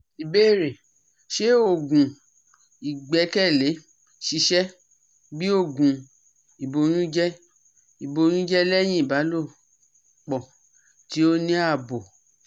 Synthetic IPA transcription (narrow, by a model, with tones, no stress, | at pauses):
i˨be˦˨ɾe˨ | ʃe˦o˦˨ɡũ˨ | i˨ɡ͡bɛ˨˧˦kɛ˦˨le˨˦ | ʃi˨˧˦ʃɛ˦ | bi˦o˦˨ɡũ˨ | i˨bo˧j̃ũ˦d͡ʒɛ˦ | i˨bo˧j̃ũ˦d͡ʒɛ˦lɛ˦j̃ĩ˦i˦˨ba˨˦lo˦˨ | k͡pɔ˨ | ti˨˦o˦nĩ˦a˦˨bɔ˨